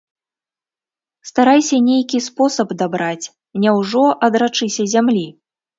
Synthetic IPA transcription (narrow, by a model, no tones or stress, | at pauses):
st̪aɾajsʲɐnʲejkʲispɔsɐbd̪abɾat͡sʲ | nʲɛwʐɔʔɐd̪ɾat͡ʂɨsʲɐzʲamlʲi